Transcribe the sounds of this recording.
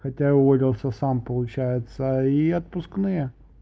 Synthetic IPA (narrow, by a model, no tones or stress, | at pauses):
xɐtʲaʊvolʲɪlˠsʲəsampəlˠʊt͡ɕæjɪt̪səiɐt̪̚pʊsknɨjə